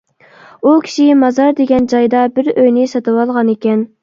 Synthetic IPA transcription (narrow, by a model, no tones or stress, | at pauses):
ukʲʰi̥ʃɪmɑzɑɾd̪eɡʲɛnd͡ʒɑjd̪ɑbɪɾøjnɪsɑt̪ʰɨwɑlˠʁɑnekʲɛn